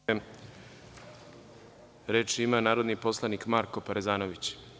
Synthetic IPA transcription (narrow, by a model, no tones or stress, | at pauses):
e | ɾet͡ʃimanaːɾo̞d̪nipo̞slˠanikmaɾko̞paɾezaːnoʋit͡ɕ